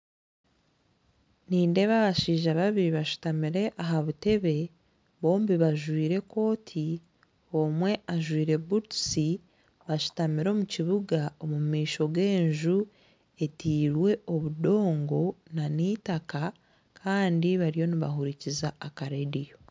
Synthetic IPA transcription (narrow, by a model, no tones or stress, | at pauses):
niːnde̞βaβaʃiːʒaβaβiɾiβaʃu̥tamiɾe̞ʔaɦaβute̞βe̞ | βo̞ːmbiβaʒwiːɾe̞ko̞ːtʰi | o̞mwe̞ʔaʒwiːɾe̞budsi | βaʃu̥tamiɾo̞muciβuɡao̞mumiːʃo̞ɡe̞ːɲʒu | e̞tiːɾwe̞o̞βudo̞ːŋɡo̞naniːtaka | kʰaːndiβaɾijo̞niβa̰ɦuɾicizaːkaɾedijo